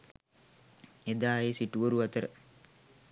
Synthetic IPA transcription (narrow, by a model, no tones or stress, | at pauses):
ed̪aːjesiʈuʋoɾuʋɐt̪əɾə